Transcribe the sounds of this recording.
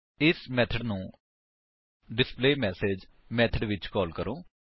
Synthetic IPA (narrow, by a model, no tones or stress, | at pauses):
ɪsmɛːt̪ʰəɖnũː | ɖɪspleːmɛːseːd͡ʒ | mɛːt̪ʰəɖʋɪt͡ʃkɔːlkəɾõː